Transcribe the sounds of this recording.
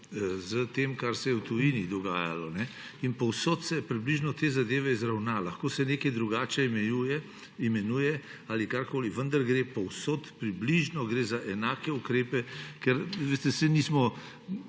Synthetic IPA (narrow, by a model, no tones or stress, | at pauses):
zət̪eːmkaɾsɛjɛwt̪ujinid̪ɔɡaːja̰lɔnɛinpɔwsoːt̪sɛpɾibliʒnɔt̪eːzad̪eːʋɛizɾawnalɐxkoːsɛneːkɛjd̪ɾuɡaːt͡ʃɛimɛujɛ | imɛnujɛ | aːlikaɾkoːliʋənd̪aɾɡɾepɔwsoːt̪pɾibliʒnɔɡɾeːzaʔɛnaːkɛukɾeːpɛkɛɾʋest̪ɛsɛnismɔ